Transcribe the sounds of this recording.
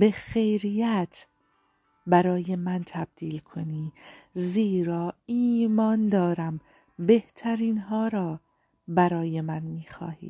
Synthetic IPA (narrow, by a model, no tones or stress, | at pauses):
be̞xejɾijæt̪ʰ | bæɾɒːjemænt̪ʰæb̚d̪̥iːlkʰoniːziːɾɒːiːmɒːnd̪ɒːɾæm | be̞ht̪ʰæɾiːnɦɒːɾɒː | bæɾɒːje̞mænmiːxɒ̰ːhḭːd̥̪